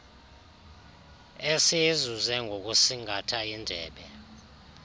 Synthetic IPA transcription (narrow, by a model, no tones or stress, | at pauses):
ɛsiezuzɛŋʱok̬ʼusiŋʱatʰaindʱɛ̰ːɓɛ